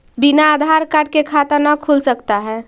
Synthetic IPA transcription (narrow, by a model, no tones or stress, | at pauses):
binaːd̪ʱaɾkaɖ̚kekʰat̪ənəkʰulsəkt̪aɦɛ